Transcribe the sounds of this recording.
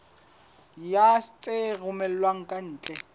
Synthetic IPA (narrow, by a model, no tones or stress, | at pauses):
jast͡sʼerʊmɛllwaŋ̩kʼan̩ːt͡ɬʼɛ